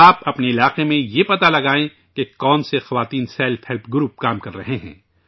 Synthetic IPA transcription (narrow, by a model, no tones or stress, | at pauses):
aːpɐpneɪlaːqemẽjepɐt̪alɐɡaːẽ | kekɔːnsexɐʋaːt̪iːnsɛːlfhɛlpʰɡɾuːp̚kaːmkɐɾːɐɦeɦɛ̰̃ː